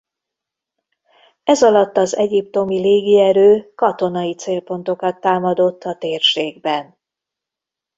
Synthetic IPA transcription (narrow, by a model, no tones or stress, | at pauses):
ɛzɒlɒt̪ːɒzɛɟip̚t̪o̞mileːɡiɛɾøːkɒt̪o̞nɒjit̪seːlpo̞n̪t̪o̞kɒt̪ːaːmɒd̪o̞t̪ːɒt̪eːrʃeːɡ̚bɛn